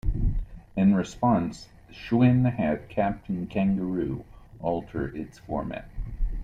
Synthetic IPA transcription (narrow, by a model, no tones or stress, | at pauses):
ɨ̃nɹɨspɑ̃ns | ʃwɪ̃nhæd̚kʰæp̚tʰn̩kʰæ̃ŋɡəɹʉʔɔlˠtʰə˞ɪtsfɔ̰ɹmæ̰t̚